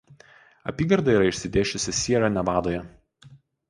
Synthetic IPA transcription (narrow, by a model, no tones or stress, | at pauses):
ɐ̰pʲiːɡɐɾd̪ɐiːɾɐɪʃʲsʲɪd̪ʲeːʃʲʊsʲɪsʲiɛɾɑnʲɛʋɑːd̪oːjɛ